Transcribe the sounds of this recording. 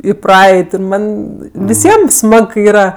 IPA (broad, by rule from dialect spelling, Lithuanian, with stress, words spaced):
ɪ ˈprɐɛɪtʲ ɪr ˈmɐnʲ ʋʲɪˈsʲiɛm ˈsmɐk kɐɪ ˈiːrɐ